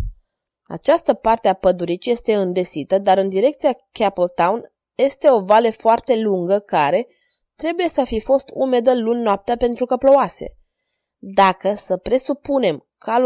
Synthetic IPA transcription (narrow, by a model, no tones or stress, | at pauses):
a̰t͡ʃast̪əpart̪eapəd̪uɾit͡ʃje̞st̪e̞ɨnd̪e̞sit̪əd̪aɾɨnd̪iɾe̞kt̪siakʲapəlt̪awn | je̞st̪e̞o̞valefoart̪e̞luŋɡəkaɾe̞ | t̪ɾe̞buje̞səafifo̞st̪ume̞d̪əlunnːoap̚t̪eape̞nt̪ɾukəplo̞oase̞̰ | d̪akəsəpɾe̞supune̞m | ka